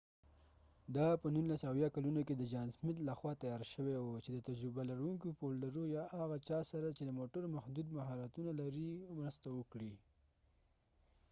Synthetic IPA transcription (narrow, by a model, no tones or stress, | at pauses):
d̪ɑpənunlasawjɑkalunoked̪əd͡ʒɑnsmɪt̪laxwɑt̪ajɑɾʃəwewot͡ʃed̪ət̪ad͡ʒɾɪbalaɾuŋkopollaɾojɑʔaɣat͡ʃɑsaɾat͡ʃed̪əmoʈəɾmaxd̪ud̪maɦɑɾat̪unalaɾimɾəst̪awəkɽi